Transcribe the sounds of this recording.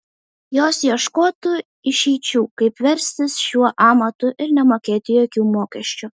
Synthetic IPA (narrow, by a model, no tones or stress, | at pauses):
joːsjiɛʃkoːt̪u | ɪʃʲiɪt͡ʃʲuːkɐɪpʋʲɛɾʲsʲt̪ʲɪsʃʲuɔʔɑːmɐt̪ʊʔɪɾnʲɛmoːkʲeːt̪ʲɪjoːkʲuːmoːkʲɛʃʲt͡ʃʲʊ